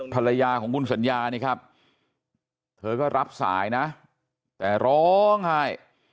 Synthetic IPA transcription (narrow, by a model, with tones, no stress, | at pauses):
pʰa˧la˧jaː˧kʰɔː˩˦ŋkʰu˧nsa˩˦njaː˧niː˥˩kʰa˦˥˩p̚ | t̪ʰɤː˧kɔː˥˩ɾa˦˥p̚sa̰ː˩˦jna˦˥ | t̪ɛː˨˩ɾɔː˦˥ŋha˥˩j